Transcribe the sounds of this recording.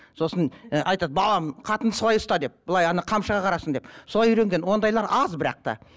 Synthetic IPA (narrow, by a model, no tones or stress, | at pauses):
so̞sənʔɑjt̪ɑd̪bɑlˠɑmqʰɑt̪ənd̪əsolˠɑjʊst̪ɑd̪e̞p̚bəlˠɑjɑnɑqʰɑmʃəʁɑqʰɑɾɑsənd̪e̞psolˠɑjʏɾe̞ŋɡʲe̞nwo̞nd̪ɑjlˠɑɾɑzbɪɾɑ̰q̚t̪ɑ̰